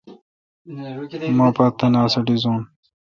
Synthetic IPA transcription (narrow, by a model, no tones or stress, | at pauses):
maːpat̪ːɐnaːsɐɖizoːn